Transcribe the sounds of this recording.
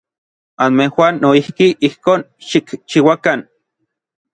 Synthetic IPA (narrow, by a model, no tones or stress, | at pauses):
anmehwanːoihkiʔihkoːn | ʃikt͡ʃiwakan